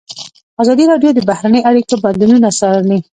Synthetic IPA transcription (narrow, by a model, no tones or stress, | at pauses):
azɑd̪iɾɑɖjod̪əbahɾanəjaɽikoband̪ununasɑɾali